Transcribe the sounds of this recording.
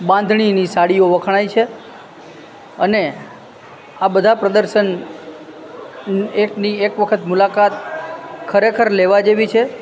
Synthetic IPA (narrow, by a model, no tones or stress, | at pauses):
bãnd̪ʱɳ̃inisaɽioʋəkʰɳ̃ait͡ʃʰe | əne | abəd̪ʱapɾəd̪əɾʃən | ekniekʋəkʰət̪mulakat̪kʰəɾekʰəɾleʋad͡ʒeʋit͡ʃʰe